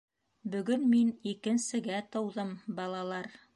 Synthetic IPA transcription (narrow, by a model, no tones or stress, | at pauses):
bɵ̆ɡɵnminikɘ̆nsɘ̆ɡæt̪ɤ̆wðɤmbɑlˠɑlˠɑɾ